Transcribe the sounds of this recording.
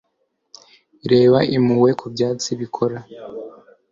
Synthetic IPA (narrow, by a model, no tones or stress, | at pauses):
iɾe̞ːβaimuwe̞kʰubjaːt͡siβikʰo̞ɾa